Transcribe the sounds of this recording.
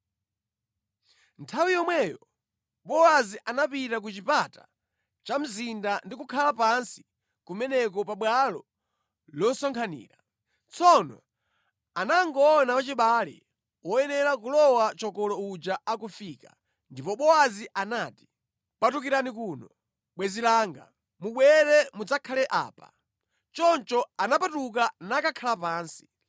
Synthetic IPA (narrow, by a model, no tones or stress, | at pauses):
ntʰawijɔmwɛjɔ | ɓɔwaziʔanapitak̬ut͡ʃipata̰ | t͡ʃam̩zindandikukʰalapansi̥ | kumɛnɛkɔpaɓwalɔ | lɔsɔŋkʰanḭːɾa | t͡sɔnɔ̰ | anaŋɡɔnapat͡ʃiɓalḭ | wɔjɛnɛɾakulɔwat͡ʃɔkɔlɔud͡ʒaakufika̰ | ndipɔɓɔwaziʔanaːti̥ | patukiɾanikuːnɔ | ɓwɛzilaːŋɡa̰ | muɓwɛɾɛmud͡zakʰalɛʔa̰ːpa̰ | t͡ʃɔnt͡ʃɔanapatuk̬anakakʰalapaːnsi̥